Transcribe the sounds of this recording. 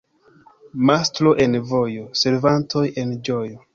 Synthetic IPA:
mastlo̞ʔe̞nvo̞jo̞se̞ɾvantʰo̞je̞nd͡ʒo̞jo̞

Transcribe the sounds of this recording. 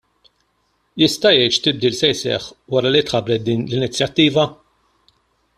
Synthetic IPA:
jɪst̪ɐjɛjʃt̪ɪb̚d̪iːlsɛjsɛ̰ħwɐɾɐlit̪ħɐbɾɛt̪̚d̪iːnlɪnɪt͡sːjɐt̪ːiːvɐ

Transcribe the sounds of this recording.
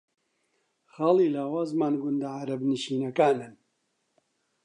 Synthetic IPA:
xaːliːlaːwaːzmaːnɡʊnd̪aʕaɾɐbnɨʃiːnɐkaːnɨn

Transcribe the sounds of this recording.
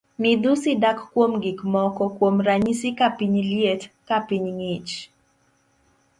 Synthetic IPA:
nid̪usidakkwomɡikmɔkɔkwomɾaɲisikapiɲljetkapiɲŋit͡ʃ

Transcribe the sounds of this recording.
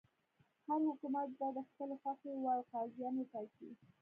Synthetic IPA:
haɾhʊkumat̪̚b̪ad̪əxpəloxaxewɑwqɑzjɑnep̪ɑki

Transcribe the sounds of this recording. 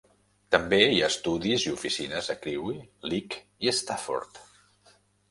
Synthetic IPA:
t̪əmbeiaəst̪uðiziufisinəzəkɾiwilik | iəst̪afɔ̰ɾt̪

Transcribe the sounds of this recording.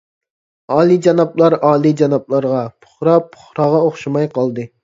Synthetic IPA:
ɑːlˠid͡ʒɑnɑplˠɑɾɑːlˠid͡ʒɑnɑp̚lˠɑɾʁɑpʰʊ̥χɾɑpʰʊ̥χɾɑʁɑoχʃimɑjqɑlˠd̪ɨ

